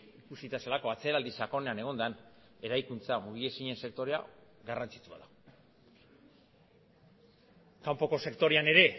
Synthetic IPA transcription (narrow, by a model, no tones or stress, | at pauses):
ikusit̪aselako̞at͡se̞ɾald̪isako̞ne̞ane̞ɣ̞o̞nd̪an | e̞ɾajkunt͡samuβie̞siɲe̞nse̞kt̪o̞ɾea̰ | ɡarant͡si̥t͡sua̰ðu | kampo̞ko̞se̞kt̪o̞ɾeane̞ɾe̞